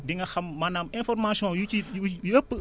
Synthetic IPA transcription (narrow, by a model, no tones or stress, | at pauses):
diŋɐxɐmːɐnamɛ̃nfɔɾmasiɔ̃juiujəpːə